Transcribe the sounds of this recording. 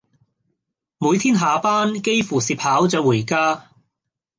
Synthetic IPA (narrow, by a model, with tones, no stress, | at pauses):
muː˨˧jt̪ʰiː˥nɦaː˨˧paː˥nke˥jfuː˨˩siː˨p̚haː˨˥wt͡sœː˨˧wuː˨˩jkaː˥